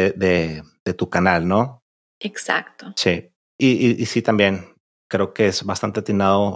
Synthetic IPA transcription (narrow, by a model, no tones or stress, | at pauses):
eðeð̥e̞t̪ukanalno | eksa̰kt̪osi | iiʔisit̪ambje̞n | kɾeokeezβast̪ant̪eat̪inaðo